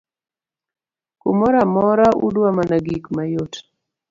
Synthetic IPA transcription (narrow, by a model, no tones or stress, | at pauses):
kumɔɾamɔɾaʔṵdwamanaɡikmajot